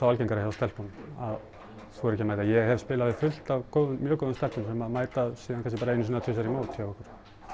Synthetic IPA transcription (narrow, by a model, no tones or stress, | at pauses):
θawalcejnŋkaɾahɛvast̪ɛl̥punað | sɔɾɛcːɪmajt̪ajɛɣhɛvspɪːlavɪfʏl̥t̪avkoːwðʏnmjœːkowðʏnst̪ɛlpʏmsɛmaðmaːjt̪asiːðankʰans̬cɪpaːɾaejnːʏs̬iːnat̪ʰʏsaɾimaːwt̪çawvɔkʏɾ̥